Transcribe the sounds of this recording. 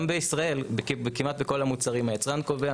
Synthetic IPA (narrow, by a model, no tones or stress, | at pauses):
mbeisʁae̞lbkbekimat̪̚beko̞lamut͡saʁimhajet͡sʁankovea